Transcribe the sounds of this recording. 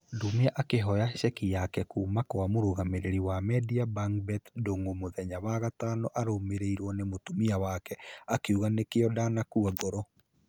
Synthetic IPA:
dumeaʔakeɦɔjaɕɛkijakɛkuːmakoamoɾoɣameɾeɾiwamɛdiabaŋbɛtndoŋomoðɛɲaβaɣataːnɔʔaɾomeɾeiɾwɔnemotumiawakɛakeuɣanekeɔdanakuaɡɔɾɔ

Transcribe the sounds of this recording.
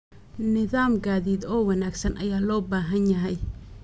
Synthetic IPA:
nɪðaːmɡaːðiːd̪ɔːwɑnaːɡsɐnʔɐ̰jaːlɔːbaːɦɐnjɐɦɛj

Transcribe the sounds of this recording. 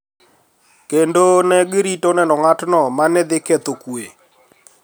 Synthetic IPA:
kendonɛɡɪɾitonɛnɔŋatnɔmanɛd̪ɪkɛt̪okwe

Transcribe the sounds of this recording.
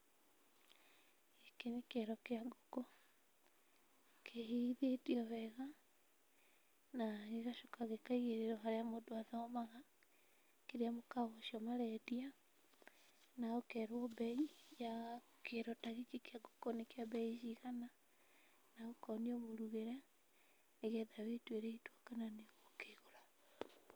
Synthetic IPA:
ekenekeɾɔkeaɡokɔ | kʰeiðetiɔβɛɣa | naɣeɣaʃokaɣekaiɣeɾeɾoɦaɾeamodoaðɔmaɣa | keɾiamokaβoʃiomaɾɛdia | naokɛɾwɔbɛija | keɾɔtaɣit͡ʃekiaɡokonekjabɛiʃiɣana | naɣokɔniomoɾuɣeɾa | neɣɛðaβetweɾeitwakananeɣokeɣoɾa

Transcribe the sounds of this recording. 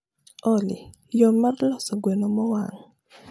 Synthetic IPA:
ɔlɪ̰ | jɔmːarlɔsɔɡwɛnɔmɔwa̰ŋ

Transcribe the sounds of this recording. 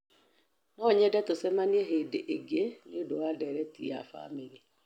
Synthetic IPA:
nɔɲɛdɛtosɛmaniɛɦeːdeʔeɡeneodowadɛɾɛtḭja̰fa̰meɾiɛ

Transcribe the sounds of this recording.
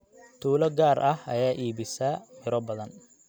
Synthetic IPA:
t̪ʰuːlɐɡaːɾʔɐhɐ̰jaːʔiːβɪsɐmɪɾɔbɐðɐn

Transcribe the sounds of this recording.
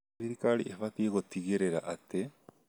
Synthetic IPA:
iɾikaɾḭʔeβat̪ieɣot̪iɡeɾeɾaʔat̪e

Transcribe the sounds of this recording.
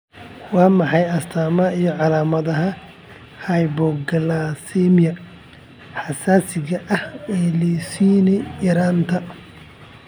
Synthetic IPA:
wɑːmɑħɑjɐst̪ʰaːmɐijɔʕɑlaːmɐðɐɦɐ | hɐjbɔɡɐlasimɪjɐ | ħɑsaːsɪɣɐʔɐhɛːlɛsiːnɛjɐɾaːnt̪ʰɐ

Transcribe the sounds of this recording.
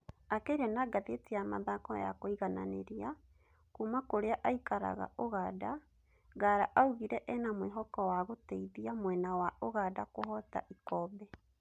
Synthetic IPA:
akeiɾɛnaɡaðetiamaðakɔ̰ja̰koiɣana̰nḛɾia | kuːmakoɾeaʔaikaɾa̰ɣa̰ʔoɣaːda | ɡaːɾaʔauɣiɾɛʔɛnamweɦɔkɔwaɣotɛiðiamwɛnawaoɣadakoɦɔta̰ʔikɔːbɛ

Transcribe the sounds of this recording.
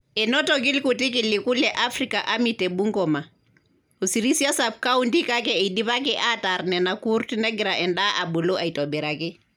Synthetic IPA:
ɛnotoɡilkutikilːikulɛʔafɾikaʔamitebuŋɡɔma | osiɾisiasab̚kaundikakɛidiβak̬ɛʔataɾnɛnakuɾtineɡɾaʔɛnɗaʔabuloʔaitobɛɾakɛ

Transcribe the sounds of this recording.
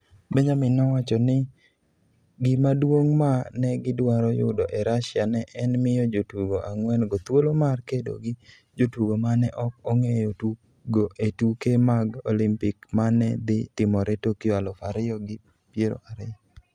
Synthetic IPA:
beɲamɪnɔwat͡ʃɔnɪ | ɡɪmadwoŋmanɛɡɪdwaɾɔjʊ̰dɔʔɛɾaʃɪanɛʔɛnmɪjɔd͡ʒotuɡoʔaŋwɛnɡot̪wolomarkedo̰ɡɪ | d͡ʒotwuɡomanɛʔɔk̚ɔŋejotu | ɡoʔetukemaɡolimpɪkmanɛd̪ɪt̪ɪmɔɾʔetokɪjalɔfaɾɪjɔɡɪ | pjeɾo̰ʔaɾɪjɔ

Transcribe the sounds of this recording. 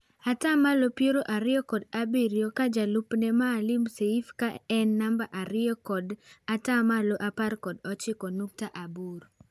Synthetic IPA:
atamalopjeɾoʔaɾɪɔkɔdabiɾjokad͡ʒalupnɛmaːlɪmseifkaɛnːambaʔaɾɪɔkɔdatamaloʔaparkɔdɔt͡ʃɪkɔnuk̚taʔabuɾ

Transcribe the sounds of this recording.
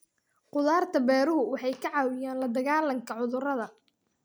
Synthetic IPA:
qʊðaːrt̪ʰɐbɛːɾʊɦʊwɑħɑjkʰɐʕɑːwɪjaːnlɐd̪ɐɣaːlɐŋkʰɐʕʊðʊrɐðɐ

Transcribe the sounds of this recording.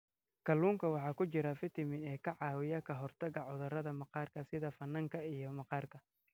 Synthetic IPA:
kʰɐlːuːŋkʰɐwɑħɑːkʰʊt͡ʃɪɾɐfɪt̪ʰɪmɪnɛːkʰɐʕɑːwɪjɐkʰɐɦɔrt̪ʰɐɣɐʕʊðɐrɐðɐmɐqɑːrkʰɐsɪðɐfɐnːɐŋkʰɐijɞmɐqɑːrkʰɐ

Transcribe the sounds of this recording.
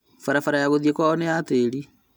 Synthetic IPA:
faɾafaɾajaɣoðjekwaɔneateɾi

